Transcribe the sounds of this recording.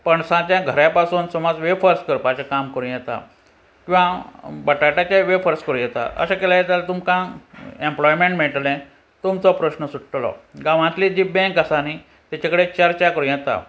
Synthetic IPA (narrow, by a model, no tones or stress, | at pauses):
pəɳsãt͡ɕjãɡʱəɾjapasuːnsɔmɔd͡zʋefəɾskəɾpaɕakamkəɾũjɛt̪a̰ | kĩʋãbəʈaʈat͡ɕaʋefəɾskəɾũjɛt̪a̰ʔə̰ɕakɛlajet̪alat̪umkãẽmplɔjmẽɳʈmeɭʈlɛ̃ | t̪umt͡sɔpɾəɕnəsuʈʈlɔ̰ɡãʋãt̪lid͡ʑiːbɛ̃kəsani | t̪jat͡ɕakəɽet͡ɕaɾt͡ɕakəɾũjɛt̪a̰